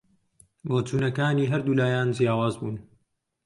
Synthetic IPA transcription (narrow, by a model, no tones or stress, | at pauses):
moːtuːnɐkaːniːɦɐɾd̪uːlaːjaːnd͡ʒijaːwaːzbuːn